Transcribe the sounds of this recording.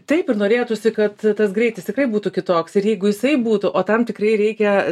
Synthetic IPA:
t̪ɐɪpɪrnoːɾʲeːt̪ʊsʲɪkɐt̪t̪ɐsɡɾʲɛɪt̪ʲɪst̪ʲɪkrɐɪbuːt̪ʊkʲɪt̪oːksɪɾjɛɪɡʊjɪsɐɪbuːt̪ʊʔoːt̪ɐmt̪ʲɪkɾɐɪɾʲɛɪkʲɛ

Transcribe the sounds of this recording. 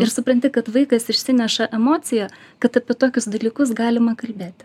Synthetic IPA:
ɪɾsʊpɾɐnʲt̪ʲɪkɐt̪ʋɐɪkɐsɪʃʲsʲɪnʲɛʃɐʔɛmoːt̪sʲɪjækɐt̪ɐpʲiɛt̪oːkʲʊsd̪ɐlʲiːkʊsɡɑːlʲɪmɐkɐlʲbʲeːt̪ʲ

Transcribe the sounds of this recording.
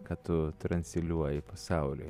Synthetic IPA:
kɐtt̪ʊt̪ɾɐnʲsʲɪlʲuɔjɪpɐsɑˑʊlʲʊ̰

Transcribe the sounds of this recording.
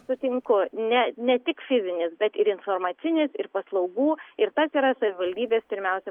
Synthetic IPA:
sʊt̪ʲɪŋkʊnʲɛnʲɛt̪ʲɪkfʲɪzʲɪnʲɪsbʲɛt̪ɪɾɪnfoːrmɑːt͡ssʲɪnʲɪsɪɾpɐslˠɐʊɡuːɪɾt̪ɐsiːɾɐsɐʋʲɪʋɐlʲd̪ʲiːbʲeːspʲɪɾʲmʲɛʊsʲɛ

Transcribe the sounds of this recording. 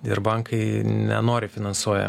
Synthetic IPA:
ɪɾbɐŋkɐɪnʲɛ̰noːɾʲɪfʲɪnɐnsuɔjɛ̰

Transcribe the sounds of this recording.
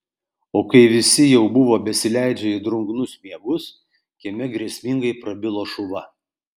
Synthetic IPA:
oːkɐɪʋʲɪsʲɪjɛʊbʊʋoːbʲɛsʲɪlʲæˑɪd͡ʒʲɛɪd̪ɾʊŋɡnʊsmʲiɛɡʊs | kʲɛmʲɛɡɾʲiɛsʲmʲɪŋɡɐɪpɾɐbʲɪlˠoːʃʊʋɐ

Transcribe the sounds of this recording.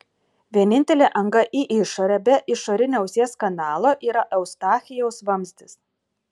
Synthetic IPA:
ʋʲiɛnʲɪnʲt̪ʲɛlʲeːʔɐŋɡɐʔiːʔɪʃɔɾʲɛbʲɛʔɪʃoɾʲɪnʲɛʊsʲeɛskɐnɑːlˠoːʔiːɾɐʔɛʊst̪ɑːxʲɪjɛʊsʋɐmʲzʲd̪ʲɪs

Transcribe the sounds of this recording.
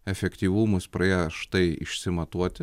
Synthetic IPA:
ɛfʲɛkt̪ʲiːʋumʊspɾɐeːjʃt̪ɐɪɪ̰ʃʲsʲɪmɐt̪uɔt̪ʲɪ

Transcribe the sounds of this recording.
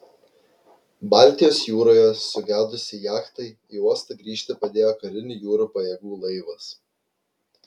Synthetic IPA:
bɑˑlʲt̪ʲɪjoːsjuːɾoːjɛsʊɡʲæːd̪ʊsʲɪjæːkt̪ɐɪ | iːuɔst̪ɐɡɾʲiːʃʲt̪ʲɪpɐd̪ʲeːjoːkɐɾʲɪnʲɪjuːɾupɐjɛɡuːlˠɐɪʋɐs

